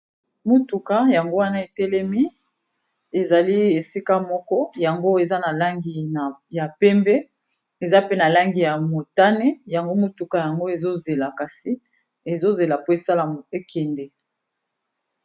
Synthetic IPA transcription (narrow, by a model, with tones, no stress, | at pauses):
mo˨tu˨ka˦ja˨ŋɡo˦wa˦na˦e˨tɛ˦lɛ˦mi˦ | e˨za˨li˦e˨si˦ka˦mɔ˦kɔ˦ja˨ŋɡo˦e˨za˦na˨la˦ŋɡi˨n˨ja˨pɛ˦mbɛ˦ | e˨za˦pe˦na˨la˦ŋɡi˨ja˨mo˨ta˦nɛ˦ja˨ŋɡo˦mo˨tu˨ka˨ja˨ŋɡo˦e˨zo˦ze˨la˨ka˨si˦ | e˨zo˦ze˨la˨po˦e˨sa˦la˨mo˨e˦kʰɛ˨ndɛ˨